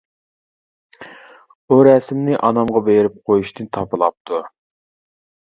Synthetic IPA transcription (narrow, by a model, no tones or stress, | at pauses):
uɾɛsmnɪʔɑnɑmʁɑbeɾɪp̚qʰojuʃt̪ʰɨnt̪ʰɑpɨlˠɑp̚t̪ʰu